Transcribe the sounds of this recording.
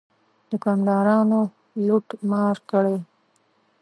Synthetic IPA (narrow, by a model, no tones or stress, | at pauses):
d̪̥əkɑmɖɑːɾɑno | lʊʈmɑɾkəɽe